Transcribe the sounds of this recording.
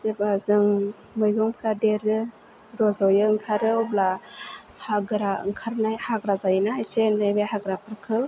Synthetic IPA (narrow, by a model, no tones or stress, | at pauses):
zebazɯŋ | mɯjɡɯŋpʰladeɾɯ | ɾɔzɔwjɯɯŋkʰaɾɯɔbla | haɡɯɾaɯ̰ŋkʰaɾnajhaɡɾazajnaajsenajbehaɡɾapʰɯɾkʰɯl